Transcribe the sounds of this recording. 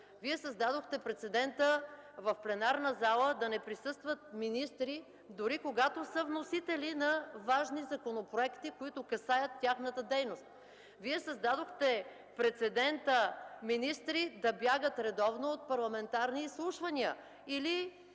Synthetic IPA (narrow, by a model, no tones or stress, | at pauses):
viɛsɐzd̪ad̪oxt̪ɛpɾɛt̪sɛd̪ɛnt̪əvɐfplɛnaɾnəzalˠəd̪ɐnɛpɾisɤst̪vət̪̚minist̪ɾi | d̪ʊɾikoɡat̪osəvnosit̪ɛlinɐvaʒnizɐkonopɾoɛkt̪ikoit̪ʊkɐsajət̪ːʲaxnət̪əd̪ɛjnost̪ | viɛsɐzd̪ad̪oxt̪ɛ | pɾɛt̪sɛd̪ɛnt̪əminist̪ɾid̪ɐbjaɡət̪ɾɛd̪ɔvnoot̪̚pɐɾlˠɐmɛnt̪aɾniːslˠuʃvɐniə | ili